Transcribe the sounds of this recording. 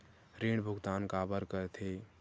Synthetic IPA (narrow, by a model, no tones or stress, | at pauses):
ɾeɽbʱuɡt̪ankabəɾkəɾt̪ʰe